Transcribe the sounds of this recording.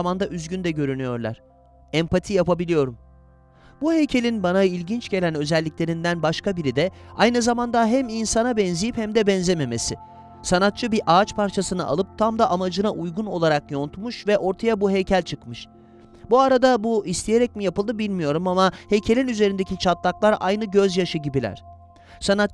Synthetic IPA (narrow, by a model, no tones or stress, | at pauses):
mand̪aʔyzɟynd̪ɛɟø̞ɾynyjo̞ɾlˠa̰ɾ̥ | ɛmpʰat̪ʰijapabilʲijo̞ɾum | buɦejcʰe̞lʲinbanailʲɟint͡ʃɟe̞lʲænø̞zɛlʲːiclʲe̞ɾind̪ænbaʃkabiɾid̪ɛajnɯzamand̪aɦæminsanabɛnzejiphɛmd̪ɛbɛnzeme̞me̞sɪ | sanat̪̚t͡ʃʰɯbiʔaːt͡ʃpʰaɾt͡ʃʰasɯnɯ̰ʔa̰lˠɯp̚t̪ʰamd̪aʔamad͡ʒɯnaʔujɡuno̞̰lˠaɾakjo̞nt̪ʰmuʃvɛʔo̞ɾt̪ʰajabuɦejcʰælʲt͡ʃʰɯkmɯʃ | buaɾad̪abuist̪ʰije̞ɾɛc̚mijapɯlˠd̪ɯbilʲmijo̞ɾumamahe̞jcʰe̞lʲinyze̞ɾind̪ecʰit͡ʃʰat̪lˠaklˠaɾʔa̰jnɯɟø̞zjaʃɯɟibilʲæ̰ɾ̝̥ | sanat̪